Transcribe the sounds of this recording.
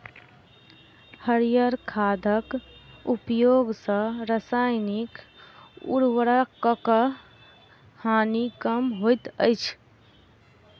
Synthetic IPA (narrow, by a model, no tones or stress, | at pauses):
həɾijəɾkʰad̪ʱəkupjoɡsə̃ɾəsajnik | ṵɾwəɾakəkə | hanikəmɦojt̪ə̰ɪt͡ʃʰ